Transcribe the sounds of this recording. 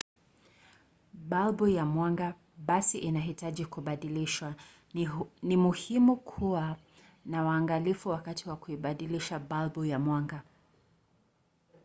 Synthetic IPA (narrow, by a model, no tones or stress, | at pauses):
ɓalbujamwaŋɡa | ɓasiʔinaɦitaʄikuɓaɗiliʃwa | nimuhimukʰuwa | nawaːŋɡalifuwakatʰiwakuiɓaɗiliʃaɓalbɔjamwaŋɡa